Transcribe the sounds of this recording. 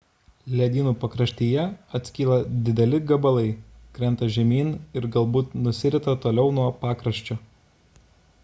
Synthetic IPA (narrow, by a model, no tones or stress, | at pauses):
lʲɛd̪ʲiːnuːpɐkɾɐʃʲt̪ʲiːjɛɐt̪ʲsʲkʲiːlˠɐd̪ʲɪd̪ʲɛlʲɪɡɐbɐlˠɐɪkɾʲɛnt̪ɐʒʲɛmʲiːnɪɾɡɐlˠbuːt̪nʊsʲɪɾʲɪt̪ɐt̪oːlʲɛʊnuɔpɑːkɾɐʃʲt͡ʃʲʊ